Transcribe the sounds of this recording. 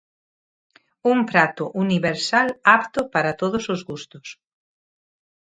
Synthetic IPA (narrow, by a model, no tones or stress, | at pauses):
umpɾat̪oʔuniβeɾsalapt̪opaɾat̪oðosozɣust̪os